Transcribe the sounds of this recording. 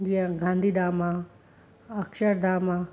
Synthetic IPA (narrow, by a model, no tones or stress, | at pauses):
d͡ʒiɦãɡʱãːnd̪ʱiːd̪aːma | ɐkʃəɾd̪aːma